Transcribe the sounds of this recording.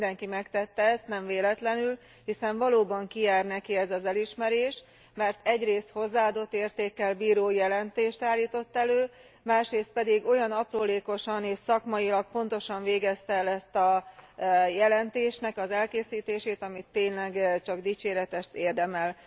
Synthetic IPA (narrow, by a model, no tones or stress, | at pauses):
nd̪ɛŋkimɛkt̪ɛt̪ːɛɛst̪nɛɱveːlɛt̪lɛnyl | hisɛɱvɒloːbɒŋkijaːrnɛkiɛzɒzɛliʃmɛɾeːʃ | mɛrt̪ɛɟreːst̪ho̞zːaːɒːd̪o̞t̪ːeːrt̪eːkːɛlbiːɾoːjɛlɛnt̪eːʃt̪aːlːiːt̪o̞t̪ːɛløː | maːʃreːst̪̚pɛd̪iɡo̞jɒnɒproːleːko̞ʃɒneːʃsɒkmɒjilɒk̚po̞nt̪o̞ʃɒɱveːɡɛst̪ɛɛlɛst̪ɒ | jɛlɛnt̪eːʃnɛkɒzɛlkeːsiːt̪eːʃeːt̪ɒmit̪ːeːɲlɛɡt͡ʃɒɡd̪iːt͡ʃeːɾɛt̪ɛʃt̪eːrd̪ɛmɛl